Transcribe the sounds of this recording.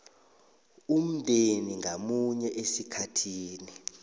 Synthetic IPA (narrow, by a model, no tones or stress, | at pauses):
um̩dʱʼeniŋɡʱamuɲɛʔesikʰatʰiːni